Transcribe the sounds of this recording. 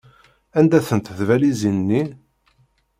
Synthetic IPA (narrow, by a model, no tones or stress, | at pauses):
ænd̪æθənt̪θvælizinnːi